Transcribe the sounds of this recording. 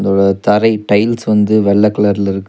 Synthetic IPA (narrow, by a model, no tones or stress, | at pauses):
nd̪oːɽɐt̪ɐɾɐɪʈɐɪlsʋɐnd̪ɯʋɛɭːɐkːɐɭɐɾɪlɪɾɯkː